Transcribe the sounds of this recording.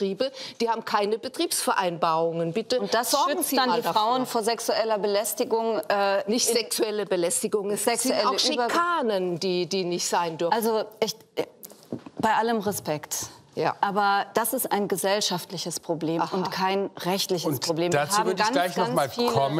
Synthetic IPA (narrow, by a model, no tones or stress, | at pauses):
tʁ̥iːbəd̥iːhaːbm̩kʰaɪnəbətʁ̥iːpsfɛɐʔaɪnbaːʁʊŋənbɪtəʊntd̥asz̥ɔɐɡŋ̩z̥iːdanaaʁ̥aʊənfoːɐzɛksuɛlɐbəlɛstɪɡʊŋʔɛːnɪçtz̥ɛksuɛləbəlɛstɪɡʊŋsɛɪɛaʊʃiɐkʰaːnəndiːdiːnɪçtz̥aɪndʏɐalzoʔɪç | b̥aɪʔaləmʁɛspɛkt | ja̰ːʔaːbɐd̥asɪsta̰ɪnɡəzɛlʃaftlɪçəspʁ̥obleːʊnkʰaɪnʁɛçtlɪçənsʁ̥obleːmdat͡shaːvʏɐdanɡlaɪçnɔanmaːlfiːklʰɔmə